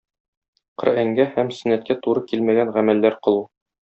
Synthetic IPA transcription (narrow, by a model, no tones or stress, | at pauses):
qɤ̆ɾæŋɡæhæmsɘ̆næt̪̚kæt̪uɾɤkilmæɡænʁæmælːæɾqɤ̆lˠu